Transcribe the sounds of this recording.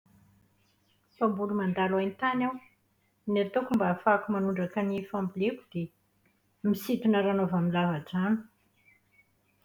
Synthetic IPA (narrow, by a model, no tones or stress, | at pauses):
fambulumand̪alajnt̪anaw | nat̪okumbaːfakumanuɳɖ͡ʐakənifambilekud̪̥e | misit̪unəɾanovamilavad͡zanu̥